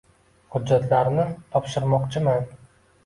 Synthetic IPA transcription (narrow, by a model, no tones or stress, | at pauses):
hʊd͡ʒːat̪ʰlaɾnɪt̪ʰɒpʃɪɾmɒqt͡ʃʰɪman